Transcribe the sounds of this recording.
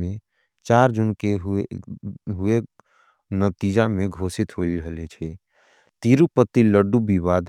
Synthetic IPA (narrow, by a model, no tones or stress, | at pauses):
me | t͡ʃaɾd͡ʒunkeɦ | ɦue | nət̪id͡ʒameɡʱosit̪ɦoiɾəɦlet͡ʃʰɛ | t̪iɾupət̪ːiləɖubiβad̪